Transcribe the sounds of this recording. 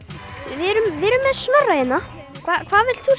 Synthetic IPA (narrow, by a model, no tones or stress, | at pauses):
vɪɾʏmvɪɾʏmːɛðsmarːajɪnːa | kʰvakʰvaːðvɪlt̪θu